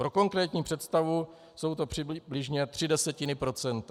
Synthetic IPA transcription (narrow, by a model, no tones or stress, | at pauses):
pɾo̞ko̞ŋkɾɛːt̪ɲiːpr̝̥ɛt̪st̪avu | so̞wt̪o̞pr̝̥ɪbblɪʒɲɛt̪r̥ɪdɛsɛcɪnɪpɾo̞t͡sɛnt̪